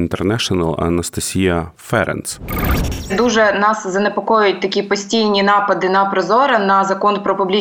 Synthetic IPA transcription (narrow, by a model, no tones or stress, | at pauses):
nt̪ɛrnɛʃɔnɐlˠɐ̰nɐst̪ɐsʲijɐfɛɾɛ̰ns | d̪uʒɛnɑszɐnepɔkɔjʊjʊt̚ʲt̪ɐkʲipɔsʲtʲijnʲinɑpɐd̪ɪnɐpɾɔzɔɾɐnɐzɐkɔnpɾɔpʊblʲi